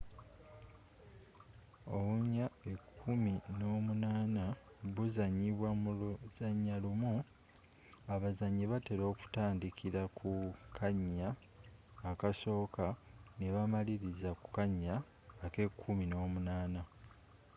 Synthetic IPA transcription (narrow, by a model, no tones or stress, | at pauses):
o̞βuɲːaekʰːumino̞ːmunaːna | βuzaɲːiβwamuluz̥aɲːalumu | aβazaɲːeβateɾo̞ːku̥taːndikʰiɾakʰukʰaɲːaː | kaso̞ːkaneβamaliɾizaku̥kaɲːaː | ke̞kʰːumino̞ːmunaːna